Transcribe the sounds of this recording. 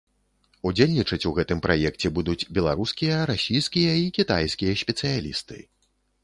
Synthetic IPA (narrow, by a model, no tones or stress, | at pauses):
ud͡zʲelʲnʲit͡ʂɐt͡sʲuɣɛt̪ɨmpɾʔajɛkt͡sʲɛbud̪ut͡sʲbʲɛlˠaɾuskʲijɐɾasʲijskʲijɐikʲit̪ajskʲijɐsʲpʲɛt̪sɨjalʲist̪ɨ̰